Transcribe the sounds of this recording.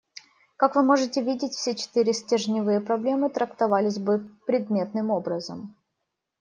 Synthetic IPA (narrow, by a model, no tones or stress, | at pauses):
kakvɨmo̞ʐɨtʲɪvʲidʲɪtʲfsʲet͡ɕɪ̥t̪ɨɾʲɪsʲtʲɪʐnʲɪvɨjəpɾɐblʲe̞mɨt̪ɾəkt̪ɐvalʲɪzʲbɨpɾʲɪd̪mʲe̞t̪̚nɨmo̞bɾəzəm